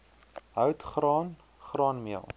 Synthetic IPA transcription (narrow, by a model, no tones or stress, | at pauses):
ɦœwtχrɑːn | χrɑːnmiəlˠ